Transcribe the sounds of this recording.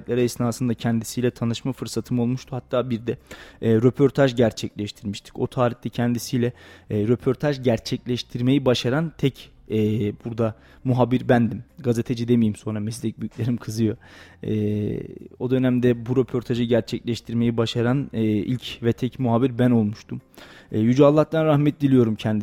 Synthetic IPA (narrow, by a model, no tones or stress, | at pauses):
t̪lʲæɾaisinasɯnd̪acʰɛnd̪isijlʲɛt̪ʰanɯʃmafɯɾsat̪ʰɯmo̞lˠmuʃt̪ʰuhat̪ʰːaːbiɾd̪ɛːɾo̞pʰo̞ɾt̪ʰaʒɟæɾt͡ʃʰɛclʲɛʃt̪ʰiɾmiʃt̪ʰi̥co̞t̪ʰaːɾiht̪ɛcʰɛnd̪isijlʲɛːɾø̞pʰo̞ɾt̪ʰaʒɟæɾt͡ʃʰɛclʲɛʃt̪ʰiɾme̞jibaʃaɾant̪ʰɛc | ɛːbuɾd̪a | muɦabiɾbænd̪imɡaze̞t̪ʰed͡ʒid̪emijimso̞nɾamɛslʲɛc̚byjycʲlʲe̞ɾimkʰɯzɯjo̞ɛː | o̞d̪ø̞næmd̪ɛbuɾo̞pʰo̞ɾt̪ʰaʒɯɟæɾt͡ʃʰɛclʲɛʃt̪ʰiɾme̞jibaʃaɾanɛːḭlʲcvɛt̪ʰɛcmuɦaːbiɾbæno̞lˠmuʃt̪ʰumɛːjyd͡ʒaːlˠːat̪̚d̪anɾaxmɛt̪̚d̪ilʲijo̞ɾumcʰɛnd̪